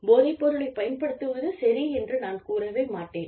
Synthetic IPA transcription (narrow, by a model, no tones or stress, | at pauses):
boːɾɪpːɔɾɯɭɐɪpɐjɐnpɐɽɯt̪ːɯʋɐðɯsɐɾiɛndrɯnaːnkuːɾɐʋeːmaːʈːeːn